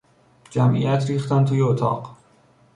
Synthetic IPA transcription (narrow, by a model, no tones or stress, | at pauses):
d͡ʒæmʔḭjæt̪ɾiːxt̪ænt̪ʰuːjeot̪ʰɒ̰ːɢ